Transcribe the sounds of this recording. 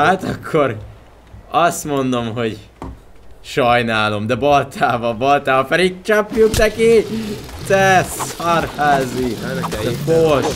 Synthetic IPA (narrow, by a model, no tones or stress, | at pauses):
hat̪ɒkʰːo̞ɾ | ɒst̪mo̞nd̪o̞mɦo̞ɟ | ʃɒjnaːlo̞md̪ɛbɒlt̪ʰaːvɒbɒlt̪aːvɒfɛɾik̚t͡ʃɒpjuknɛkid̪ɛsɒrhaːzi | fol